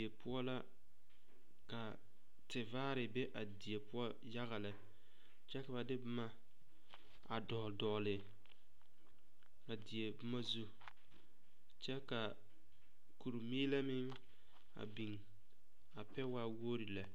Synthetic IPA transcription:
e˨pʊ˦ɔ˦la˦ | ka˨ | tɪ˨vaː˦ɾɪ˨bɛ˦ʔa˨di˨e˨pʊ˦ɔ˦ | ja˦ɣa˨la˨ | t͡ʃɛ˦ka˨ba˨dɪ˦bʊ˦ma˦ | a˨dɔ˨dɔ˨lɪ˨ | a˨di˨e˨bʊ˦ma˦zu˦ | t͡ʃɛ˦ka˨ | ku˨ɾu˨miː˦la˦mɪ˦ŋ | a̰˨bi˨ŋ | a˨pɛ˦wa˦wo˦ɾi˨la˨

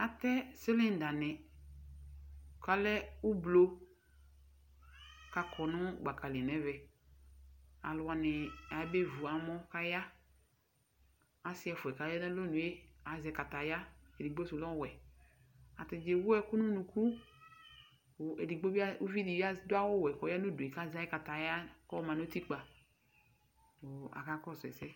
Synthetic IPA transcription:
a˨tɛ˦sɪ˦lɪ˦n˨da˨nɪ˨ | ka˨lɛ˦ʊ˦blo˦ | ka˨kʰɔ˨nʊ̃˦˨ɡ͡ba˨ka˨li˨nɛ˦vɛ˨ | a̰˨lʊ˨a˨nɪ˨a˨˦be˦vu˨a˨mɔ˦ka˦ja˦ | a˨sɪ˦ɛ˨fʊ˨ɛ˨ka˨jɛ˦nɛ˦lo˦nũ˨e˦a˨zɛ˨ka˨ta˨ja˦e˨di˨ɡ͡bo˦su˨lɔ˦wɛ˨ | a̰˨tɪ˨d͡ʒe˨˦wu˦ɛ˦ku˦nu˦nu˨ku˦˨ | e˨di˨ɡ͡bo˦bi˦a˦u˦vi˦di˨ja˦dʊ˦a˦wɔ˦˨wɛ˨kɔ˨ja˦nu˦˨du˨e˨ka˦za˦i˦ka˨ta˨ja˦kɔ˦mã˨no˦ti˦k͡pa˨ | o˨a̰˨ka˦kɔ˦˨zɛ̰˨sɛ˦

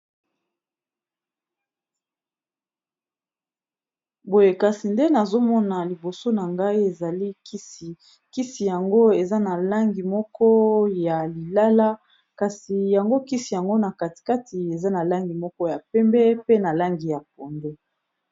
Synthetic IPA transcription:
bo˨je˨ka˨si˨nde˦na˨zo˦mɔ˦na˨li˨bo˨so˦na˨ŋɡa˦i˦e˨za˨li˦˨ | ki˦si˨ja˨ŋɡo˦e˨za˦na˨la˦ŋɡi˨mɔ˦kʰɔ˦ja˨li˨la˦la˦ | ka˨si˨ja˨ŋɡo˦ki˦si˨ja˨ŋɡo˦na˨ka˨ti̥˨ka˦ti˨e˨za˦na˨la˦ŋɡi˨mɔ˦kɔ˦ja˨pɛ˦mbɛ˦pe˦na˨la˦ŋɡi˨ja˨p̚o˨nde˦

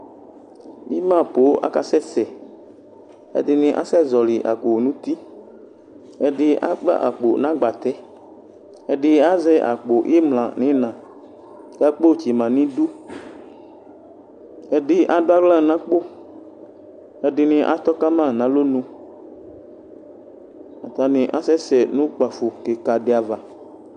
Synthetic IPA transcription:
mḭ˦mã˦˨po˨˦ʔa̰˦ka˨sɛ˦sɛ˨ | ɛ̰˨dɪ˨nɪ̃˨ʔa̰˦sɛ˦zɔ˨lɪ˨ʔa̰˨k͡po˨nũ˨˦t̪i˦ | ɛ˨ɖɪ˨ʔa̰˦k͡pa̰˦ʔa˨k͡po̰˨nã˨˦ɡ͡ba˨t̪ɛ˦ | ɛ˨ɖɪ˨a˦zɛ˦ʔa̰˨k͡po˨ʔi˦mlã˨nɪ̃˨˦nã˨ | ka˦k͡po˦˨t͡ɕi˨mã˨nĩ˦du˦ | ɛ˨ɖɪ˦ʔa˨dʊ˦a˦vlã˦˨nã˦k͡po˦ | ɛ˨dɪ˨nɪ̃˨ʔa̰˨t̪ɔ˦ka˦mã˦˨nã˨˦lo˦nũ˦ | a˨t̪a˨nɪ̃˨ʔa̰˦sɛ˦sɛ˨nũ˦k͡pa˨fo˨ke˨ka˨dɪ˦a˨va˨

